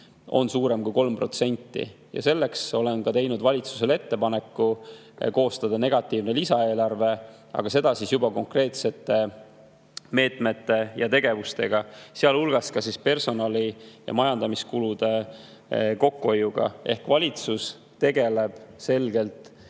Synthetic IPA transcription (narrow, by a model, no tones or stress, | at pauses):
o̞̰nsuːɾe̞mkujko̞lmpro̞t̪se̞nʲt̪ːḭ | jɑ̰se̞lːe̞kso̞le̞nɡɑt̪e̞jnud̪vɑlʲit̪su̥se̞le̞t̪ːe̞pɑne̞kːu | ko̞ːst̪ɑd̪̥ɑne̞ɡ̥ɑt̪ːˑiːvnelisɑe̞ːlɑrve̞ | ɑ̰ɡ̥ɑse̞d̪̥ɑsisjubɑko̞ŋkre̞ːt̪se̞t̪ːˑe̞ | me̞ːt̪me̞t̪ːe̞jɑt̪e̞ɡ̥e̞vust̪e̞ɡ̥ɑseɑlulɡ̥ɑskɑsispe̞rso̞nɑlʲijɑ̰mɑjɑnd̪̥ɑmiskulud̪̥e̞ | ko̞kːuo̞jːuɡ̥ɑ̰e̞hkvɑlʲit̪sus | t̪e̞ɡe̞le̞b̥se̞lɡe̞lt̪ˑ